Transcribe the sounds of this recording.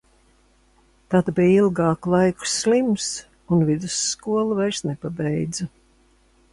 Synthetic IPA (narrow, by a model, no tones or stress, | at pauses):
t̪ad̪biːilˠɡɑːklˠajku̥slims | unvid̪usːkuɔlˠuvajɾsnɛpabɛjd̪zɐ